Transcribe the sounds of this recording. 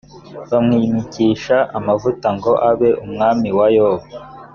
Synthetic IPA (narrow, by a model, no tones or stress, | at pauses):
βamŋiːmiciʃaʔamavutaŋɡo̞ʔaβe̞ʔumŋaːmiwajo